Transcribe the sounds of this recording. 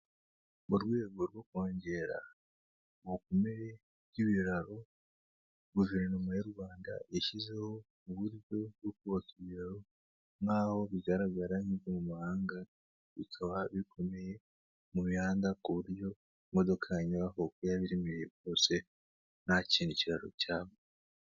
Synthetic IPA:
muɾɡwe̞ːɡo̞ɾwokoːɲɟe̞ɾa̰ | wokomeɾe | iβiɾaɾo̞ | ɡuveɾnomujeɾɡwaːnda̰ʔeʃize̞ho̞ | uβuɾɟo̞βwokuβokiβiɾaɾo̞ | ŋaho̞βiɟaɾaɡaɾamizemumuhaːŋɡa | βikʰaβaβikʰo̞me̞je̞ | muβihaːndakuβuɾjo̞ | mo̞do̞kʰaɲiβahokujaβiɾimijeβjo̞ːse̞ | naciːniciɾaɾo̞̰caːβo

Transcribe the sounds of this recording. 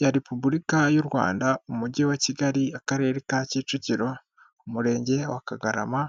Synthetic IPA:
jaɾepubuɾikajuɾwa̰ːndaumuɟewaciɡaɾiakaɾe̞ːɾekaciːt͡ʃuciɾo̞ | umuɾe̞ːɲɟe̞wakaɡaɾa̰ma

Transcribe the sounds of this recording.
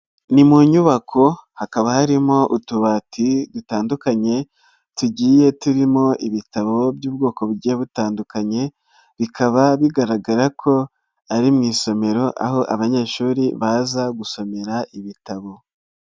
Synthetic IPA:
nimuɲuβakʰo̞hakaβahaɾimo̞ʔutuβatʰidutaːndukaɲe̞ | tuɟiːje̞tuɾimo̞ʔiβitaβo̞bjuːb̚ɡo̞ːko̞βuɟieβutaːndukaɲe̞ | βikʰaβaβiɡaɾaɡaɾakʰo̞ | aɾimŋiːso̞me̞ɾo̞ʔa̰ɦo̞ʔaβaɲe̞ːʃuːɾiβazaɡuso̞me̞ɾaʔiβitaβo̞

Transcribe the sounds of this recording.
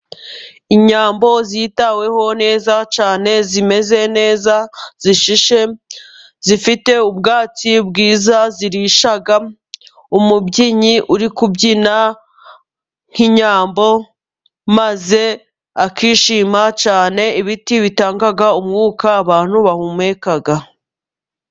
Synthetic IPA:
iɲaːmbo̞ziːtawe̞ho̞ne̞ːzat͡ʃaːne̞zime̞ze̞ne̞ːzaz̥iʃiʃe̞ | zifite̞ubɡaːt͡sibɡiːzaziɾiʃaɡa | umubɟiɲiʔuɾikubɟina | ŋ̥hiɲaːmbo̞ | maze̞ | akiːʃiːmat͡ʃaːne̞iβitiβitaːŋɡaɡaumŋuːkaːβaːn̥huβahumeːkaɡa

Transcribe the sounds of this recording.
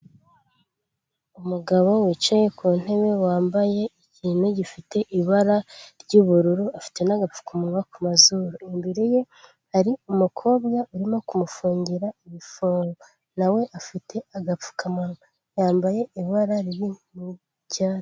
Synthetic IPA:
umuɡaβo̞wiːt͡ʃaje̞kuːn̥e̞βe̞waːmbaje̞iciːnuɟifite̞ʔiβaɾaɾɟuβuɾuɾuafi̥te̞naɡap͡fu̥kamaŋakumazuɾoimbiɾeje̞ | haɾiumukʰo̞ːβɡauɾimo̞kumufuːɲɟiɾaiβifoɾ | nawe̞ʔafitʰe̞aɡap͡fu̥kʰamaŋa | jaːmbaje̞iβaɾaɾiɾimu | ɟaːt

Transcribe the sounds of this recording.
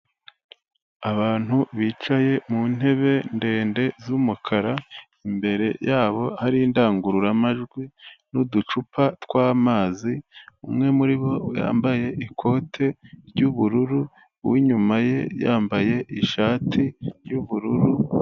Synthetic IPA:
aβaːn̥huβiːt͡ʃaje̞mun̥he̞βe̞nde̞ːnde̞zumukʰaɾa | imbe̞ɾe̞jaːβo̞haɾiːndaːŋɡuɾuɾamaʒɡwinudut͡ʃupʰatwaːmaːziumŋe̞muɾiβo̞ja̰ːmbaje̞ʔikʰo̞tʰe̞ɾɟuβuɾuɾu | wiɲumaje̞̰ja̰ːmbaje̞ʔiʃaːtʰiɾjuβuɾuɾu

